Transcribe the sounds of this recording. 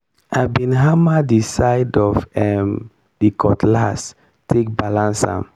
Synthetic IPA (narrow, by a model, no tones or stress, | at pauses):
aɪbĩnɦamadisaɪdɔfɛm | dikʰɔtlas | tʰek̚balãnsã̰m